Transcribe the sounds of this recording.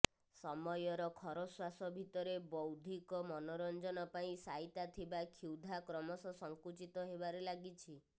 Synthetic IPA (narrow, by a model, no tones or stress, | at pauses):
sɔmɔjɔɾɔkʰɔɾɔswasɔbʱit̪ɔɾebɔwd̪ʱikɔmɔnɔɾɔnd͡ʒɔnɔpaĩsait̪at̪ʰibakʰiwd̪ʱakɾɔmɔsɔsɔŋkut͡ʃit̪ɔɦebaɾelaɡit͡ʃʰi